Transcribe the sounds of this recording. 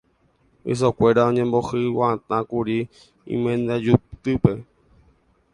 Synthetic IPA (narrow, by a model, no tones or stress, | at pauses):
ɨ̰s̬okʷe̞ɾaõɲẽmbohɨwaãt̪ãkuɾi | ḭ̃mẽnd̪ad͡ʒupt̪ɨpe̞